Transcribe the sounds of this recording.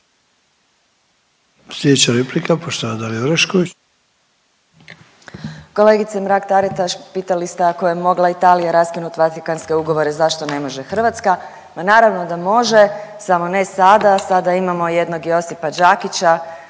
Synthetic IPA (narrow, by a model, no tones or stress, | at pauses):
slʲed̪et͡ɕaɾeplikapoʃt̪oʋad̪alioɾeʃkoi | ko̞le̞ːɡit̪semɾakt̪aɾit̪aʃpiːt̪alist̪eako̞jemo̞ɡlait̪aːlijaɾaskinut̪ʋat̪ikanske̞uɡo̞ʋo̞ɾe̞zaʃt̪o̞ne̞mo̞ʒe̞xr̩ʋat̪ska | manaːɾaʋno̞d̪amo̞ʒesamo̞nesad̪asad̪aimamo̞je̞d̪no̞ɡjo̞sipad͡ʒakit͡ɕa